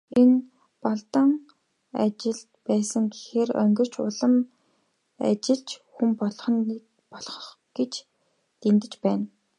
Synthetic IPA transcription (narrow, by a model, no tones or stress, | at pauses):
en | pɔɮt̪ə̆ŋ | a̰t͡ɕɪ̆ɮ | pæːsə̆ŋɡixeːrœ̰ŋɡɪ̆r̥t͡ɕʰʊ̰ɮə̆m | a̰t͡ɕɪ̆ɮt͡ɕxumpɔɮχɞ̆ni | pɔɮχɞ̆χ | ɡ̥et͡ɕ | t̪ent̪ɘ̆t͡ɕpæːn